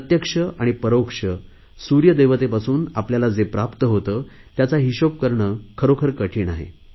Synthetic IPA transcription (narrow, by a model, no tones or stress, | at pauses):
ət̪jəkʂəʔaɽ̃ipəɾowkʂə | suɾjəd̪ejʋət̪epasuːnapljalad͡zepɾapt̪əɦot̪əː | t̪jat͡saɦiɕop̚kəɾɳəːkʰəɾokʰəɾkəʈʰiːɳaɦḛ